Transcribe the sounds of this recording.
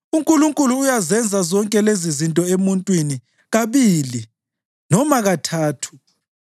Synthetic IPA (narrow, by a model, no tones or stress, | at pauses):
uŋkʼuluŋkʼuluːjazɛnd͡zʱazɔŋkʼɛlezizintʼɔemuntʼwini | ɣaβili | nɔmaɣatʰaːtʰu̥